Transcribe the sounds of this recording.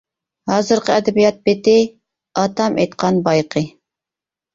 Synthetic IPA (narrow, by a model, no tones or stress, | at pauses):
hɑːzɨɾqəɛd̪ɛbijɑt̪̚bɪt̪ɪ | ɑt̪ɑmʔḛjt̪qʰɑnbɑjqʰə